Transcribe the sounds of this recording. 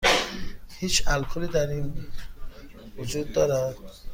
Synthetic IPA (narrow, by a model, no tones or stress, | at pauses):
hit͡ʃalkʰulid̪aɾin | vud͡ʒud̪ːɔɾad̪